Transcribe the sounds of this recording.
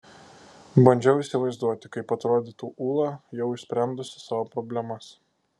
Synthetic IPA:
bɐnʲd͡ʒʲɛʊiːˑsʲɪʋɐɪzd̪uɔt̪ʲɪkɐɪpɐt̪ɾoːd̪ʲɪt̪uːʔuːlˠɑjɛʊɪʃsʲpʲɾʲɛnd̪ʊsʲɪ̥sɑːʋoːpɾɔbʲlʲɛmɐs

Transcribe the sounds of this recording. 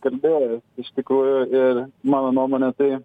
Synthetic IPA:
kɐlʲbʲeɪʃt̪ʲɪkɾuːjʊɪɾmɑːnonuɔmoːnʲɛt̪ɐɪ

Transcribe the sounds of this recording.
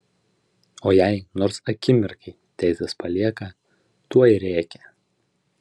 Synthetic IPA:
oːjɛɪnɔɾsɐkʲɪmʲɪɾkʰɐɪt̪ʲæˑɪsʲɛspɐlʲiɛkɐ | t̪uɔɾʲæˑːkʲɛ

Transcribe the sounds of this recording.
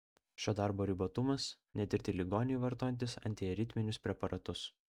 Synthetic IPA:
ʃʲoːd̪ɑˑɾboːɾʲɪbot̪ʊmɐsnʲɛt̪ʲɪɾʲt̪ʲɪlʲɪɡɔːnʲɪjʋɐɾt̪oːjɛnʲt̪ʲɪsɐ̰nʲt̪ʲiɾʲɪt̪ʲmʲɪnʲʊspʲɾʲɛpɐɾʔɐt̪ʊs

